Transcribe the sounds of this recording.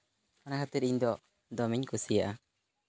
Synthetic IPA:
anakʰat̪iɾiɲd̪ɔ | d̪ɔmiɲkusijaʔa

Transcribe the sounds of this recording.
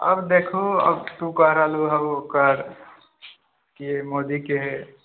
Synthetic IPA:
ə̰bd̪eːkʰoə̰bt̪ũkəɦɾaluɦəbokəɾ | kiemoːd̪ikeɦɛ

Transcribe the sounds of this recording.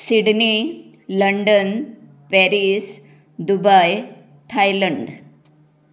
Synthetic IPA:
siɽni | ləɳɖən | pɛɾis | d̪ubaj | t̪ʰajləɳɖ

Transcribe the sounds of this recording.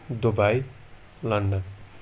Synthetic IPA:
d̪obaj | lʌnɖʌn

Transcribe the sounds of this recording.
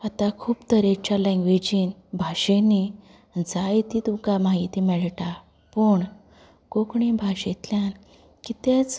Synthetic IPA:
at̪akʰuːpt̪əɾet͡ɕalɛ̃ŋɡʋed͡ʑinbʱaɕeni | d͡zajit̪it̪ukamaɦit̪imɛɭʈa | pəɳ | kokɳibʱaɕet̪ljan | kit̪et͡s

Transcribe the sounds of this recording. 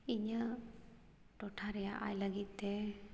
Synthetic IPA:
iɲə | ʈɔʈʰaɾɛjaʔa̰jləɡit̪ːe

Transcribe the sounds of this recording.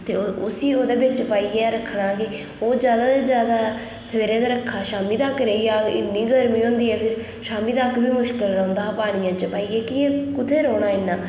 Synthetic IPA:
t̪eːʊsiːoːd̪eːbɪt͡ʃpaːiːeːɾəkʰːɽaːkɪ | oːd͡ʒjaːd̪aːd̪eːd͡ʒjaːd̪aː | səʋeːɾẽːd̪aːɾəkʰːaːʃaːmiːd̪aːkəɾeːijaːɪ̰nːiːɡəɾmĩːɦõːnd̪iːɛːpʰɪɾ | ʃaːmiːd̪aːkbiːmʊʃkɪlɾə̃ʊnd̪aːpaːɽ̃ɪjãːt͡ʃəpaːiːɛːkɪẽːkʊt̪ʰeːɾoːɽ̃aːɪnːãː

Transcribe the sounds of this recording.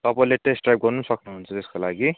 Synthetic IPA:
t̪ʌpaĩleʈesʈrajp̚ɡʌɾnusʌknuɦunt͡sʰʌt̪eskolaɡi

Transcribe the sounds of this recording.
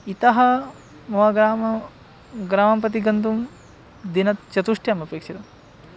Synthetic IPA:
it̪ɐɦɐ | mɐʋɐɡaː | ɡɾaːmɐmpɐt̪̬iɡɐnt̪um | d̪inɐt̪t͡ʃɐt̪uʂʈjɐmɐpeːkʂit̪ɐm

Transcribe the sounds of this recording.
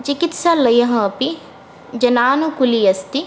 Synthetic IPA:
t͡ʃikit̪salɐjɐɦɐ̃pi | d͡ʒɐnaːnukulijɐst̪i

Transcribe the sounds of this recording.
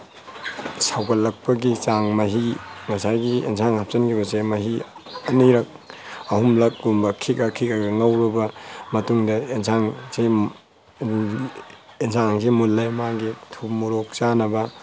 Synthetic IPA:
sawkɐlːɐk̚pɐɡit͡ʃaŋmɐɦiŋɐsajɡiḛnsʰaŋhap̚sɐnkʰibɐsemɐɦiɐnijɾɐk̚ɐhumlɐk̚ɡumbɐkʰikakʰikaɡɐŋɐwɾɐbɐmɐtuŋdɐensʰaŋsi | ensʰaŋŋs̬imulːajmaɡitʰumuɾok̚t͡ʃanɐbɐ

